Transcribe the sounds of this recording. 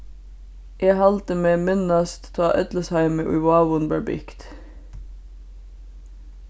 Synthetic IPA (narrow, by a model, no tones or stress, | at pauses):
ʔeːhɑlt̪əmeːmɪnɑst̪t̪ʰɑːʔœt̪ləshæɪməːʔʊ̰ʏwɑːʋʊnbæbʏ̰kt̪